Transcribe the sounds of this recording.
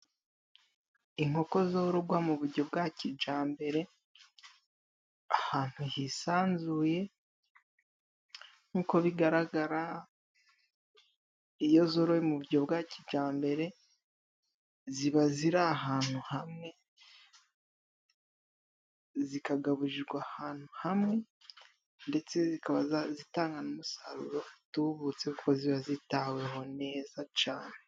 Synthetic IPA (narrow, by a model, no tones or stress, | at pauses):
iŋo̞ko̞zo̞ːɾoɡwamuβuɾɟo̞bɡacid͡ʒaːmbe̞ɾe̞ | ahaːn̥hujisaːnzuːje̞ | nuko̞βiɡaɾaɡaɾa | ijo̞zo̞ːɾojemuβuɾɟo̞bɡaːcid͡ʒaːmbe̞ɾe̞ | ziβaziɾaːɦaːn̥uhamŋe̞ | zikaɡaβuʒiɾɡwahaːn̥huhamŋe̞ | nde̞t͡se̞zikaβazitaːŋɡanumusa̰ɾṵɾo̞tuβut͡se̞kukoziβazitawe̞ɦo̞ne̞ːzat͡ʃaːne